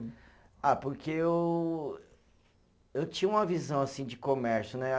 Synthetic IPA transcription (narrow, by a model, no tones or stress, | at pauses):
apoɾkʰeew | ewt͡ʃĩɲɐũmɐvizɐ̃w̃asĩd͡ʒɪkomɛɾsjʊnɛ